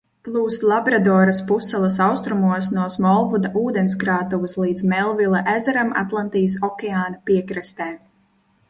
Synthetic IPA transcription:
plˠuːslˠabɾad̪ɔːɾaspusːɛlˠɐsawst̪ɾumuɔsnuɔsmɔlˠvud̪aʔuːd̪ens̬kɾaːt̪uvuslˠiːd̪zmɛlˠvilˠaʔezɛɾama̰t̪lˠant̪ijəs̬ɔkʲɛaːnapiɛkɾɛst̪ɛː

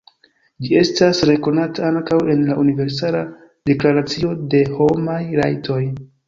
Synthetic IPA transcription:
d͡ʒie̞stasɾe̞ko̞nataaŋkawe̞nlaʔunive̞ɾs̬ala | de̞klaɾat͡sio̞de̞ho̞majɾa̰jtʰo̞j

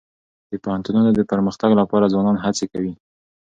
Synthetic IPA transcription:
d̪̥əpahant̪ununod̪əpəɾməxt̪aɡlapɑɾazwɑnɑnɦat͡sekawi

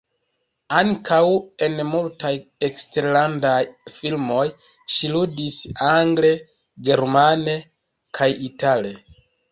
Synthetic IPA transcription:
aŋkʰawe̞nmultajekste̞ɾlandajfilmo̞j | ʃiludisaŋɡle | ɡe̞ɾmane̞ | kʰajitale̞

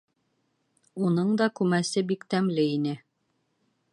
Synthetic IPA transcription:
unɤɴd̪ɑkʉmæsɘbikt̪æmlɘinɘ

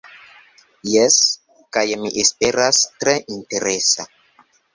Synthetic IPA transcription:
jes | kajmiʔespeɾastɾeʔinteɾesa

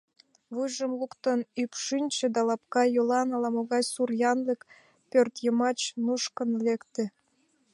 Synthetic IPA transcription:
βujʒəmlukt̪onypʃinʲt͡ɕĕd̪ɑlɑpkɑjolɑnɑlɑmoɣɑjsurjɑnlek | pørt̪jəmɑt͡ɕnuʃkənlekt̪ĕ

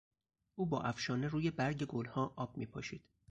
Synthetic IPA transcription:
ʔuːbɒːʔæfʃɒːneɾuːje̞bæɾɟe̞ɡolhɒːʔɒːb̥̚miːpʰɒːʃiːd̪̥

